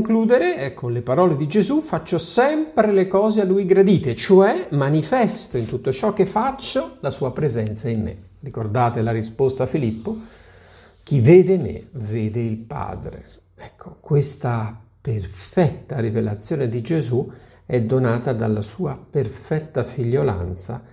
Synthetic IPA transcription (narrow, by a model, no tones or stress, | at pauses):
ŋkluːd̪eɾekʰːonlepaɾɔːled̪id͡ʒezufat͡ʃːosɛmpɾelekɔːzealːujɡɾad̪iːt̪et͡ʃoɛmanifɛst̪oint̪ut̪ːot͡ʃɔk̟ːefːat͡ʃːolasuːapɾezɛnt̪saimmḛ | rikord̪aːt̪elaɾispost̪aːfilipːo | k̟iveːd̪emḛveːd̪eilpa̰ːd̪ɾḛ | ɛkʰːo̥kwest̪aperfɛt̪ːaɾivela̰t̪sːjoːned̪id͡ʒezu | ɛd̪ːonaːt̪ad̪alːasuːaperfɛt̪ːafiʎːola̰nt̪sa̰